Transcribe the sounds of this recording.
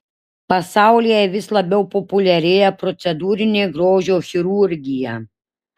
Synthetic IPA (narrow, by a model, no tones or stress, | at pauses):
pɐsɑˑʊlʲijɛʋʲɪslˠɐbʲɛʊpɔpʊlʲɛɾʲejɛpɾɔt̪sʲɛd̪uːɾʲɪnʲeːɡɾoːʒʲoːxʲɪɾuɾʲɡʲɪjɛ